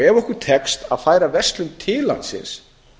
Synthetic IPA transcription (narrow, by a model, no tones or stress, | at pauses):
ɛvɔhkʏɾt̪ʰɛkst̪a̰ðfaːjɾavɛrsk̪lʏmt̪ʰɪːla̰nt̪sɪ̰ns